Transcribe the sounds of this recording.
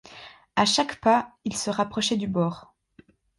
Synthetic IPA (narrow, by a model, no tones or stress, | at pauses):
aʃakpailsəʁapχɔʃɛd̪ybɔːʁ